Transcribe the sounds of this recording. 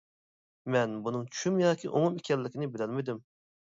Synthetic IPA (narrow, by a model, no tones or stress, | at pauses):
mɛnbunɨŋt͡ʃʰy̥ʃymjɑːkʲʰiʔomumekʲɛlːɪkʲinɪbɪlɛlmɪd̪ym